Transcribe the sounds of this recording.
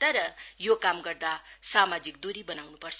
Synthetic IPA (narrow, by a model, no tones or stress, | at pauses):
t̪ʌɾʌjokamɡʌrd̪asamad͡zik̚d̪uɾibʌnawnupʌrt͡sʰʌ